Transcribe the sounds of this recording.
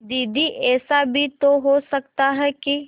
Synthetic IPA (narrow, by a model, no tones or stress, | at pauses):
d̪iːd̪iʔɛːsabʱit̪oɦosəkt̪aɦɛki